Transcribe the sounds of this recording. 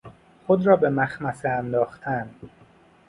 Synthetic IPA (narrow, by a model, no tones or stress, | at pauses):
xod̪ɾɒːbe̞mæxmæseænd̪ɒːxt̪ʰæn